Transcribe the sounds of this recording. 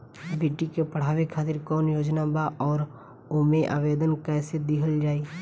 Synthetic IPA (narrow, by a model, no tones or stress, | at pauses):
beːʈikepəɽ̤aːʋekʰaːt̪ɪɾkɔːnjoːd͡ʒnabaʔɔːɾ | omeʔa̰ːʋeːd̪ənkɛːsed̪ɪkʰəld͡ʒaːiː